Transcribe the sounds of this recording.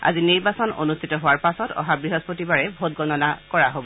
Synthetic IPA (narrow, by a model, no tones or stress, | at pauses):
a̰ziniɹbasɔno̰nustʰitɔɦowaɹpasɔtɔ̰ɦabɹiɦɔspotibaɹɛbʱot̚ɡɔnɔnakɔɹaɦobɔ